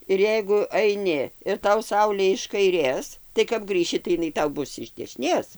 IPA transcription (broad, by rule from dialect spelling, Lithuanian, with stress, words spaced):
ɪr ˈjɛɪɡʊ ɐɪˈnʲɪ ɪr ˈtɐʊ ˈsɐʊlʲeː ɪʃ kɐɪˈrʲeːs tɐɪ kɐp ˈɡrʲiːʃʲɪ tɐɪ ɪˈnɐɪ ˈtɐʊ ˈbʊs ɪʃ dʲɛʃʲɪˈnʲeːs